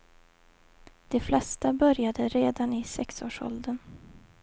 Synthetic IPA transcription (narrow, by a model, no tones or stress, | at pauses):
d̪̥ɛflɛst̪abœɾjad̪əɾeːd̪anɪsɛksoːʂɔ̰ld̪ən